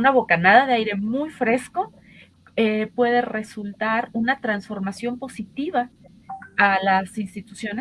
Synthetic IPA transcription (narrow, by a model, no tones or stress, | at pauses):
unaβo̞kanaðaðeajɾe̞mujfɾe̞sko̞ | epwe̞ðe̞re̞sult̪aɾunat̪ɾansfo̞ɾmasjo̞mpo̞sit̪iβ̞a | alasinst̪it̪usjo̞ne